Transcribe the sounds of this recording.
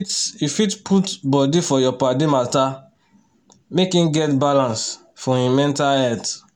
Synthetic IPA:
tifitpʰutbɔdifɔjɔpadimalta | mekĩnɡɛtbalãns | fɔ̃ĩmɛ̃ntaɛt

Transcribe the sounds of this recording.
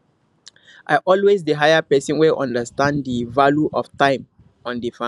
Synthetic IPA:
ʔaɪʔɔlwezdəɦajəpɛsɔ̃nweʔɔ̰̃ndəstãndivaluʔɔftãɪ̃m | ɔ̃ndifã

